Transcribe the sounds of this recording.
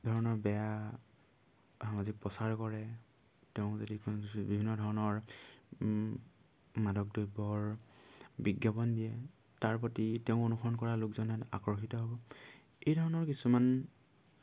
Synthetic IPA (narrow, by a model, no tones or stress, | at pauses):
dʱɔɹɔnɔɹbɛja | hamazik̚pɔsaɹkɔɹɛ | teʊ̃zodikbibʱinːɔdʱɔɹɔnɔɹ | madɔk̚dojbɔɹ | biɡjapɔndijɛ | taɹpɔtiteʊ̃onuxʰɔnkɔɹalʊkzɔnata̰kɹɔxitɔɦobɔejdʱɔɹɔnɔɹkisuman